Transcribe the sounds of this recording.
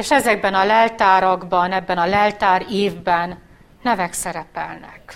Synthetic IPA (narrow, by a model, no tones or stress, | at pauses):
eːʃɛzɛɡ̚bɛnɒlɛlt̪aːɾɒɡbɒnɛbːɛnɒlɛlt̪aːɾeːvbɛnː | ɛvɛksɛɾɛpɛ̰lnɛ̰k